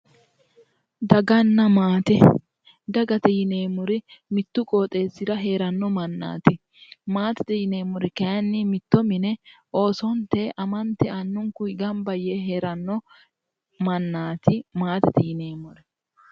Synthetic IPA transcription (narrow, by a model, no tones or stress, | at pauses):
d̪ɐɡɐnːɐmaːt̪ɛ | d̪ɐɡɐt̪ɛjɪne̞ːmʊɾɪmɪt̪ːʊkʼo̞ːt̪ʼe̞ːsːɪd̪ɐɦe̞ːɾɐnːɔmɐnːa̰ːt̪ɪ | maːt̪ɛ̥t̪ɛjɪneːmʊɾɪkɐɐnːɪmɪt̪ːɔmɪnɛo̞ːsɔnt̪eʔɐmɐnt̪ɛɐnːʊŋkʊɪɡɐmbɐjeɦe̞ːɾɐnːɔ | mɐnːaːt̪ɪmaːt̪ɛt̪ɛjɪne̞ːmʊɾɛ